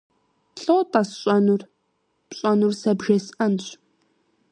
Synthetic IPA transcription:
ɬʼotʼɐsɕʼɐnur | pɕʼɐnursɐbʒɐsʔɐnɕʷʼ

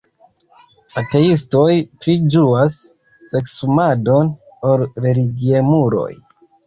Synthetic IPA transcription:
ate̞is̬to̞jpɾid͡ʒuasː | e̞ksumado̞n | oɾɾe̞liɡiemuɾo̞̰j

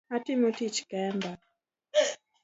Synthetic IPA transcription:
hatimutit͡ʃi̥kaɛmba

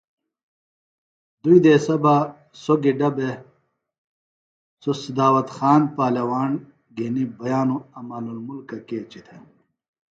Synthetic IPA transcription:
d̪uid̪eːsɐba | soɡiɖɐbe | sosid̪aːwɐt̪xaːnpaːlɐwaːn | ɡinibɐjaːnuɐmɐːlulmulkɐkeːt͡ɕit̪ʰɐ

